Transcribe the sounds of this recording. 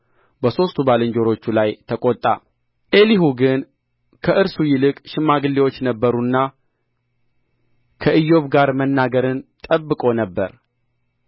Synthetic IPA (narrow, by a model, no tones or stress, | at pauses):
bəso̞st̪ʰubalɨɲd͡ʒo̞ɾo̞t͡ʃːulajt̪ʰəkʼot̪ʼːa̰ | ʔe̞liɦuɡɨn | kʰəʔɨɾsujɪlɨkʼʃɨmːaɡɨlːewo̞t͡ʃːnəbːəɾunːa | kʰəʔɨjːo̞βɡaɾmənːaɡəɾɨnt̪ʼəbːɨkʼo̞nəbːəɾ